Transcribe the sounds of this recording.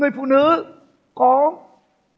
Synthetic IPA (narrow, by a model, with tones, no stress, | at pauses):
ɨ˨˩əfṵ˧˨nɨ̰˧˥ | kɔ˨˦